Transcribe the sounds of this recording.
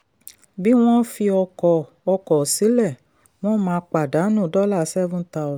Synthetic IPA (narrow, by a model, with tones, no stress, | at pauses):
bi˦w̃ɔ̃˦fi˧ɔ˧kɔ˨ | ɔ˧kɔ˨si˨˦lɛ˦˨ | w̃ɔ̃˦mãː˧˦k͡pa˨da˨˦nũ˦˨dɔ˦la˦˨˦sɛ˦vũ˦ta˧˨